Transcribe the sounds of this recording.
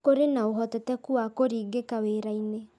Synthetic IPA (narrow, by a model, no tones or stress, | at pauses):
koɾenaoɦɔtɔtɛkuakoɾiːɡekaweɾaine